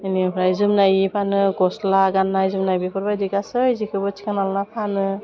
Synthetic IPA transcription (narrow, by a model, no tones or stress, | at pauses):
ɯnibɾajzɯmnajpʰanɯɡɔslaɡanːajzɯmnajbepʰɔɾbajdikasɯjzikʰɯbɔt͡ʃʰi̥kʰanalnapʰanɯ